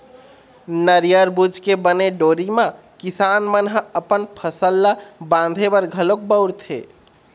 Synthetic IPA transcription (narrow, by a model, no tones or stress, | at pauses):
nəɾjəɾbud͡ʒʱkebəneɖoɾimã | kisanmənɦəpənpʰəsəlːabãnd̪ʱebəɾɡʱəlok̚bəʊɾt̪ʰḛ